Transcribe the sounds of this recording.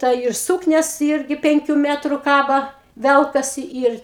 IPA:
ˈtɐ ɪr ˈsuːknʲɛs ˈɪrʲɡʲɪ ˈpʲɛŋʲkʲʊ ˈmʲæːtrʊ ˈkɑːbɐ ˈʋʲɛlˠkɐsʲɪ ˈɪr

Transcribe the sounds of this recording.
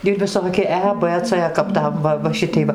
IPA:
ɪr ʋʲɪˈsoːkʲɪ ˈɛ p t͡s kɐp ˈtɐm ˈʋɐ ʋɐ ˈʃʲɪtʲɛɪ ˈʋɐ

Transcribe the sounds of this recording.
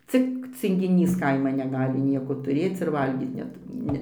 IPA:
ˈt͡sʲɪk t͡sʲɪŋʲɡʲɪˈnʲiːs ˈkɐɪmɐn nʲɛˈɡɑːlʲɪ ˈnʲiɛkoː tʊˈrʲeːt͡s ɪr ˈʋɐlʲɡʲiːt ˈnʲɛt ˈnʲɛ

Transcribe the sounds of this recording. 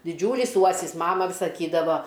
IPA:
dʲɪˈd͡ʒʲuːlʲiːs ˈuɔsʲɪs ˈmɑːmɐ ʋʲɪ sɐˈkʲiːdɐʋoː

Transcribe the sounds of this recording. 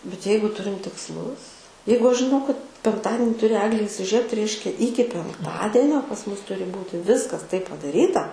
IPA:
bʲɛt ˈjɛɪɡʊ ˈtʊrʲɪm tʲɪksˈlˠʊs ˈjɛɪɡʊ ˈɐʃ ʒʲɪˈnɐʊ kɐt pʲɛŋkˈtɑːdʲɪnʲɪ ˈtʊrʲɪ ˈæːɡlʲeː iːsʲɪˈʒʲiɛpt ˈrʲɛɪʃʲkʲɛ ˈiːkʲɪ pʲɛŋkˈtɑːdʲiɛnʲoː pɐs ˈmʊs ˈtʊrʲɪ ˈbuːtʲɪ ˈʋʲɪskɐs tɐɪp pɐdɐˈrʲiːtɐ

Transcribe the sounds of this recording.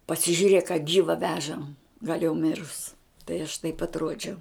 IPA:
pɐsʲɪʒʲʊˈrʲeːk ɐ ˈɡʲiːʋɐ ˈʋʲæːʒɐm ɡɐlʲ jɛʊ ˈmʲɪrʊs tɐɪ ɐʃ tɐɪp ɐtˈruɔd͡ʒʲɛʊ

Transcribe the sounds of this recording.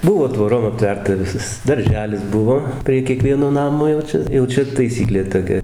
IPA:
ˈbʊʋoː tʋoːˈroːm ɐpʲˈtʲʋʲɛrtɐ ˈʋʲɪsɐs dɐrʲˈʒʲæːlʲɪs ˈbʊʋoː pʲrʲiɛ kʲiɛˈkʋʲiɛnoː ˈnɑːmoː jɛʊ ˈt͡ʃʲɛ jɛʊ ˈt͡ʃʲɛ tɐɪˈsʲiːklʲeː toːˈkʲɛ

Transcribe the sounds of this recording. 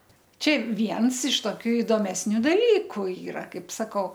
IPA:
ˈt͡ʃʲɛ ˈʋʲiɛns ɪʃ toːˈkʲuː ɪdoːmʲɛsʲˈnʲuː dɐˈlʲiːkʊ ˈiːrɐ ˈkɐɪp sɐˈkɐʊ

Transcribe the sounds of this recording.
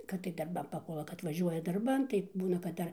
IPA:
kɐt tɐɪ dɐrˈbɐm pɐˈpuɔlˠɐ kɐt ʋɐˈʒʲuɔjɛ dɐrˈbɐn tɐɪ ˈbuːnɐ kɐt ˈdɐr

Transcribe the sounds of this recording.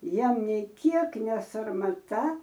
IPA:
ˈjiɛm nʲɛɪ ˈkʲiɛk nʲɛsɐrmɐˈtɐ

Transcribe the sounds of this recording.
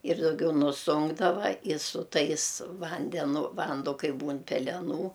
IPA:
ɪr dɐʊˈɡʲɛʊ nʊˈsʊŋɡdɐʋɐ ɪ sʊ ˈtɐɪs ˈʋɐnʲdʲɛnʊ ˈʋɐndoː ˈkɐɪ ˈbuːn pʲɛlʲɛˈnuː

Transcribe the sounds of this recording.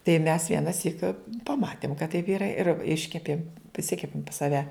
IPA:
tɐɪ mʲɛs ʋʲiɛnɐˈsʲiːk pɐˈmɑːtʲeːm kɐt tɐɪp ˈiːrɐ ɪr ˈɪʃʲkʲɛpʲeːm pʲrʲɪˈsʲɪkʲɛpʲeːm pɐs sɐˈʋʲɛ

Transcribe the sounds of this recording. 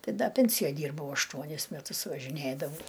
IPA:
ˈtɐɪ ˈdɐ ˈpʲɛnʲsʲɪjoːj ˈdʲiːrbɐʊ ɐʃˈtuɔnʲɪs mʲɛˈtʊs ʋɐʒʲɪˈnʲeːdɐʋɐʊ

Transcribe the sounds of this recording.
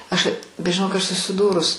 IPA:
ˈɐʃ bʲɛt ʒʲɪˈnoːk ˈɐʃ sʊsʲɪˈduːrʊs

